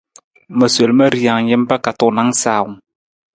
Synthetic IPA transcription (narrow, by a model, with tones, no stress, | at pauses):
mə˨se˨lma˦ɾi˨a˨ŋɲɪ˦m˦pa˦ka˨tʊ˨na˨˦ŋsaː˨ʊ˨ŋ